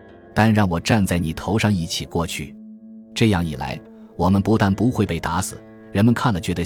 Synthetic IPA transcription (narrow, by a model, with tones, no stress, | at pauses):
t̪a˥˧nɻɑ˥˩ŋwɔ˨˩ʈ͡ʂa˥˧nt͡sa˥˩ɪni˨˩t̪ʰo˧˥ʊʂɑ˥˧ŋi˥˩t͡ɕʰi˨˩kwɔ˥˧t͡ɕʰy̰˥˩ | ʈ͡ʂɤ˥˧jɑ˥˩ŋi˨˩la̰˧˥ɪ | wɔ˨˩mə˧˦npu˧˥t̪a˥˩npu˧˥xwe˥˧ɪpe˥˩ɪt̪a˧˥sɹ̩˨˩˦ | ɻə˧˥nmə˧nkʰa˥˩nlə˩t͡ɕɥɛ˧˥d̪ə˧